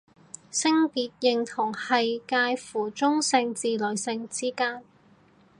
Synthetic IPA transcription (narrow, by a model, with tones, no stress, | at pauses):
sɪ˥ŋpiː˨˥t̚jɪ˨ŋt̪ʰʊ˨˩ŋhɐ˨jkaː˧jfuː˨˩t͡sʊ˥ŋsɪ˧ŋt͡siː˨lɵ˨˩jsɪ˧ŋt͡siː˥kaː˥n